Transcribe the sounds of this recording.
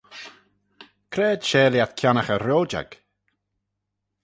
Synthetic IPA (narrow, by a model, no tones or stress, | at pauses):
kʰɾɛːd̪̥ʃɛːljat̪kʰjanəxəɾoːd͡ʒa̰ɡ̥